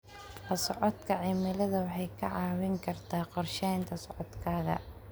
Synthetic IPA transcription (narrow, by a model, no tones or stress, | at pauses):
ɐsɔʕɔd̪kʰɐʕɪmɪlɐðɐwɑħɑjkʰɐʕɑːwɪŋkʰɐrt̪ʰaːqɔrʃɛjnt̪ʰɐsɔʕɔd̪kʰaːɣɐ̰